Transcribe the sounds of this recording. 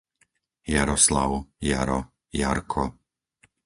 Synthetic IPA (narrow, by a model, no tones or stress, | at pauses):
jaɾɔsla̰ʊja̰ɾɔ | ja̰ɾkʰɔ